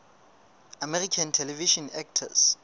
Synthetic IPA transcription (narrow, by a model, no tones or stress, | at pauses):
amɛrikʰãntʰɛlɛviʃɔ̃nɛk̚tʰa̰s